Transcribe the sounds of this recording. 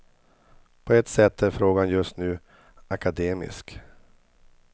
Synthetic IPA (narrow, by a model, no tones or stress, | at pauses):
pʰɔɛt̪sɛt̪ʰːæɾfɾoːɡanjɵst̪nʉ̟ː | akad̪eːmɪ̰sk